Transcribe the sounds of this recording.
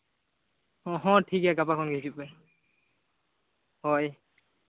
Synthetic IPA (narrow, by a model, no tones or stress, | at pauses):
ɔɦɔ̃tʰikɛɡapakʰɔnɡesipɛ | hɔj